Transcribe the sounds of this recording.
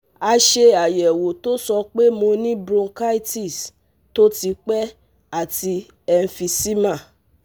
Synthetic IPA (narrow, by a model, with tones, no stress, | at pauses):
a˧ʃe˧a˨jɛ˨wo˨to˦sɔ˧k͡pe˦mo˧nĩ˦bɾõ˧ka˦i˦ti˦˨s | to˦ti˧k͡pɛ˦ | a˦˨ti˧ | ɛ˧n̩˧˦fi˧si˦mã˦˨